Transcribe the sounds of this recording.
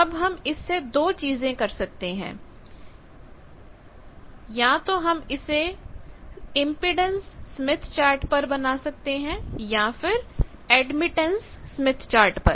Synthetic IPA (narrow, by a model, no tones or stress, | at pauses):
ɐbɦɐmɪsːed̪oːt͡ʃiːzẽkɐɾsɐk̚t̪eɦɛ̰̃ː | jɐɦãt̪oɦɐmɪse | ɪ̃mpɪɖə̃nsːɐmɪt̪ʰt͡ʃaːɾʈpɐɾbɐnasɐk̚t̪eɦɛ̃jafɪɾ | ɛːɖmɪʈə̃nsːmɪt̪ʰt͡ʃaːɾʈpɐɾ